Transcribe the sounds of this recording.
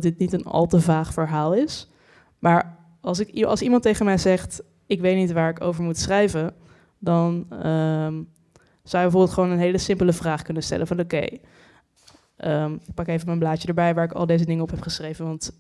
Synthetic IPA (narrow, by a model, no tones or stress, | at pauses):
dɪt̚nitənɑ̰lˠtəvaːχfəɹɦaːlˠɪs | maːɹ | ɑlˠsɪkɑ̰lˠsimɑntejχənmɛjzɛχt | ɪkʋejtnitʋaːɹɪko̰wvəɹmutsrɛjvən | dɑnəm | z̥awjəbəvoɹbɪlˠtχəʋownənɦejləsɪmpələvraːχkɵnənstɛ̰lʔənvɑnokḛj | ʔəmɪk̚pɑkejvəmənblaːtjədəɹbɛjʋaːɹɪkɑ̰lˠdejzədɪŋəɔpɦɛpχəsrejvənʋɑnt